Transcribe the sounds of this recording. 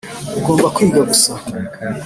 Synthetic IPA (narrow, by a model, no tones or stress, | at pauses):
uɡoːmbakwiːɡaɡusa